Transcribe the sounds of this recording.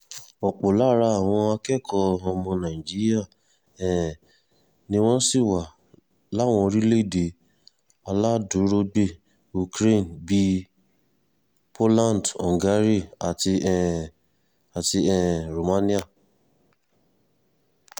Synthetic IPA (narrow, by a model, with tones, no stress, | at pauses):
ɔ˨k͡po˨la˦ɾa˧a˨w̃ɔ̃˧a˧kɛ˦˨kʰɔ˧ɔ˧mɔ̃˧nã˨i˨d͡ʒi˦ɾi˦a˦˨ | ɛ˨ | nĩ˧w̃ɔ̃˦si˦˨wa˨ | la˦˨w̃ɔ̃˧ɾi˦le˦i˦˨de˨˦ | a˧la˦du˨˦ɾo˧ɡ͡be˦˨ | u˨kɾe˦˨n˨bi˦ | pʰo˦lã˦˨n˨dɔ̰̃˨ŋ˨ɡa˨˦ɾi˦˨a˨ti˧ɛ˨ | a˨ti˧ɛ˨ɾo˨mã˨˦nĩ˦a˦˨